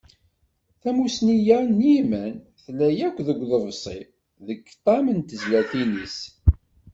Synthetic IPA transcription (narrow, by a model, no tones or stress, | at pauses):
θæmusnijænjimæn | θlæjækʷːðəɡʷðəvsˤḭ | ðəɡt̪ˤːɑmənt̪əzlæθinis